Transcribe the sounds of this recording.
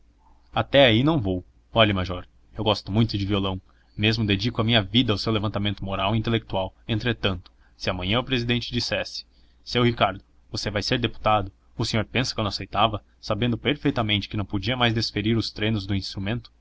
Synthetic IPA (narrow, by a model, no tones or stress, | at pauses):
at̪ɛainɐ̃w̃vow | ɔʎɐmaʒɔɾ | ewɡɔst̪ʊmũj̃t̪ʊd͡ʒɪviolɐ̃w̃ | mezmʊd̪ed͡ʒikʊɐmĩɲɐvid̪ɐːwsewlevɐ̃nt̪amẽnt̪ʊmoɾawĩnt̪elek̚t̪uawẽnt̪ɾet̪ɐ̃nt̪ʊ̥ | sɪɐmɐ̃ɲɐ̃ʊpɾezid̪ẽnt͡ʃɪd͡ʒisɛsɪ̥ | sɪewhikaɾd̪ʊ | vosevajseɾd̪epu̥t̪ad̪ʊ | ʊsẽɲoɾpẽsɐkwɐ̃ñʊ̃asejt̪avɐ | sabẽnd̪ʊpeɾfejt̪ɐmẽnt͡ʃɪ̥kɪnɐ̃w̃pod͡ʒiɐmajzd̪esfeɾiɾʊst̪ɾẽnʊzd̪ʊĩst̪ɾumẽnt̪ʊ̥